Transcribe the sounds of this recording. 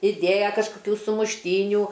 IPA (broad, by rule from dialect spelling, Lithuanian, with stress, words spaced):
ɪˈdʲeːjɛ kɐʃkoːˈkʲuː sʊmʊʃʲˈtʲiːnʲuː